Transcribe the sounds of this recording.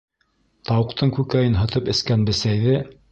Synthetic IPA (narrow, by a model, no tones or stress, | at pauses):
t̪ɑwɤ̆qt̪ʰɤɴkʉkæjɘnɦɤ̆t̪ɤpɘ̆skænbɘ̆sæjðɘ